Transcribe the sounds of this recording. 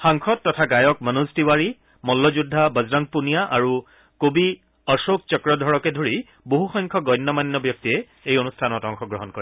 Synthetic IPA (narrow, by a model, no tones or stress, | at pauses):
xaŋkʰɔtːɔtʰaɡajɔk̚mənustiwaɹi | mɔlːɔzudʱːabəzɹaŋ̚punijaʔaɹu | kobi | ɔsok̚t͡ʃɔkɹɔdʱɔɹɔkɛdʱoɹi | boɦuxɔjŋkʰɔɡɔjnːɔmanːɔbjɔk̚tiɛ | ejonustʰanɔtɔŋkʰɔɡɹɔɦɔnkɔɹɛ